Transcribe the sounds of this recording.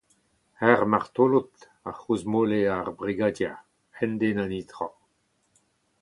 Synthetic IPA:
hɛʁmaʁt̪olut̪ | aχuzmoleaʁbʁiɡadja | ɛnd̪enanit̪ʁɔ

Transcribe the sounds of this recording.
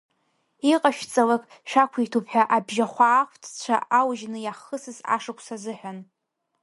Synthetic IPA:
iqʼaʃt͡sʼalakʼ | ʃᶣakʷʰitʰupʰħʷᶣaʔabʒaχʷaːχʷtʰt͡ɕʷʰa̰awʒnɨjaχəsɨza̰ʂɨkʷʰsazɨħʷᶣan

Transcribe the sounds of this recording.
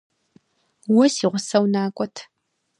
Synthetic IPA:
wɔsiːʁʷʊsɐwnaːkʷʼɔtʰ

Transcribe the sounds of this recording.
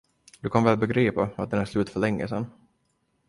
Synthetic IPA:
d̪ɵkʰanvɛːlbɛɡɾiːpaat̪̚d̪ɛnæɾʂlʉ̟ːt̪fœɭɛŋːə̰sɛn

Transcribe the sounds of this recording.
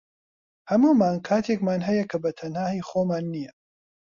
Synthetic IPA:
hɐmuːmaːnkʰaːt̪ʰekmaːnɦɐjɐkʰɐbɐt̪ʰɐnhaːhiːxoːmaːnːijɐ

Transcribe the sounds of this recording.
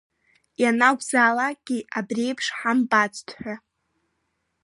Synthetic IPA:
janaɡʷzaːlak̚ɡ̥ʲiʔabrejpʰʂħambʼat͡stʰʼħʷᶣa

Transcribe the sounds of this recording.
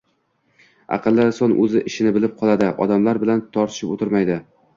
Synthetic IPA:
ɑ̰qʰɨlˠːɪsɒnʔɵzɪʔɪʃɪnɪbɪlɪp̚qʰɒlˠad̪ɪʔɒ̰d̪amlaɾbɪlant̪ʰɒɾt̪ʰɪ̥ʃɪpot̪ʰɪɾmajd̪ɪ

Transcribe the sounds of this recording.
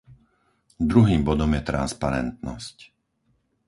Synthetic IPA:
d̪ɾuɦiːmbɔd̪ɔmjɛt̪ɾa̰nspaɾɛ̰nt̪nɔsc

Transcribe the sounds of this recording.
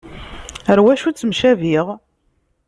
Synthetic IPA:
əɾwæʃut͡sːəmʃæviʁ

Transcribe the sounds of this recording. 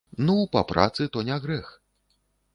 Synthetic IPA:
nupa̰pɾʔa̰t̪sɨt̪ɔnʲaɣɾɛx

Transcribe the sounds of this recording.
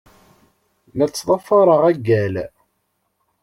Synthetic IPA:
næt͡sːðˤɑfɑɾˤəʁæɡːæl

